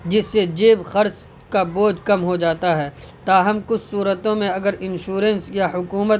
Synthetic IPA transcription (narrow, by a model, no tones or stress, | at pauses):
d͡ʒɪsːed͡ʒeːbxɐɾt͡ʃ | kaboːd͡ʒkɐmɦod͡ʒaːt̪aɦɛːt̪aːɦɐmkʊt͡ʃʰsuːɾət̪õmẽɐɡəɾɪ̃nʃuːɾə̃nsjaɦʊkuːmət̪